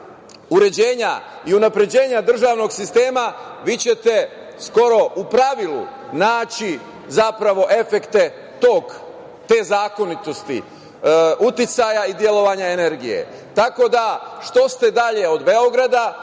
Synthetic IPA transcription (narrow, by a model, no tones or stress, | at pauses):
uɾe̞d͡ʑe̞ːɲaiunapɾe̞d͡ʑe̞ːɲad̪r̩ʒaːʋno̞ɡsist̪e̞ːmaʋiːt͡ɕe̞t̪e̞ | sko̞ɾo̞upɾaʋilṵnaːt͡ɕi | zapɾaʋo̞ʔe̞fe̞kt̪e̞ | t̪oːk | t̪e̞ːzaːko̞nit̪o̞st̪ḭ | ut̪it̪sajaid̪je̞lo̞ʋaɲaene̞ɾɡije̞̰ | t̪ako̞d̪aʃt̪o̞st̪e̞d̪aʎe̞o̞d̪be̞o̞ɡɾad̪a